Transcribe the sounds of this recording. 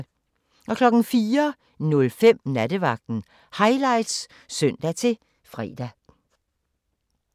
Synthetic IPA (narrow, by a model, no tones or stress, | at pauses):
ʔɒ̽kʰlɒ̽ɡ̥n̩fiːɐ | nɔ̽lfem̰næd̥əʋɑ̈ɡ̥̚d̥n̩ | hɑ̈ɪlɑ̈ɪd̥s | sœn̰d̥æt͡sʰe̝ | fʁɛ̰ːd̥æ